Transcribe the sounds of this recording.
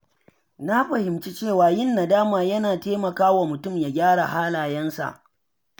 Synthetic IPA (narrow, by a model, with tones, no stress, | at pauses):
na˦ɸɐ˨hɪ˨mt͡ʃi˦t͡ʃeː˦˨waː˨jɪ˦˨nːa˨daː˦maː˨jɐ˦naː˨teː˦mɐ˨kaː˦wa˨mʊ˨tʊ˦˨mja˨ɡʲaː˦ɽa˨haː˦laː˨jɐ˦nsa̰˨ʔ